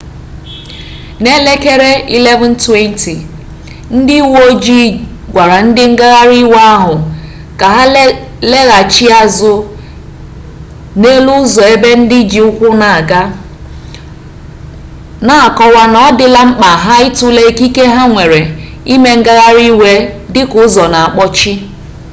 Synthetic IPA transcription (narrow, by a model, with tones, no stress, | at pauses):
ne˦le˦ke˦ɾe˦i˦le˦vɔ˨n̩˦twe˦n˦ti˨ | n̩˦dɪ˦wo˦d͡ʒi˦ | ɡʷa˨ɾa˨n̩˦dɪ˦ŋ̩˦ɡa˦ɣa˦ɾi˦wa˦ɦʊ˨ | ka˨ɦa˦ | le˦ɣa˨t͡ʃi˦a˦zʊ˦ | ne˦lu˦zɔ˨e˦be˦n̩˦dɪ˦d͡ʒi˨ʊ˦kʷʊ˦na˨a˨ɡa˦ | na˨a˨kɔ˦wa˦nɔ˨ɔ˦dɪ˦la˦ŋ͡m̩˦k͡pa˨ɦa˦ɪ˦tʊ˦le˦ki˦ke˦ɦa˦ŋʷe˨ɾe˨ | i˦me˦ŋ̩˦ɡa˦ɣa˦ɾi˦we˦dɪ˦kʊ˨˦zɔ˨na˨a˨k͡pɔ˦t͡ʃɪ˦